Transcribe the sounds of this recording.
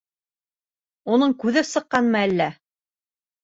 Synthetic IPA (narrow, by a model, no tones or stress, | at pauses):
unɤɴkʉðɘpsɤ̆qːɑnmɑælːæ